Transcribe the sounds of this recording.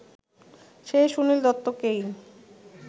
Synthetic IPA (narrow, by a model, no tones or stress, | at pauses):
ʃeʃunild̪ɔt̪ːokej